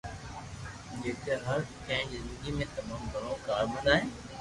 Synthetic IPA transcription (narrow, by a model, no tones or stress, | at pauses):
d͡ʒeːt̪eɦɐɾkɛ̃ːd͡ʑzɪ̃nd̪əɡimẽt̪ɐmaːmɡʱɐɽ̃õkaːɾbɐ̃nd̪aːɦɪ̃ː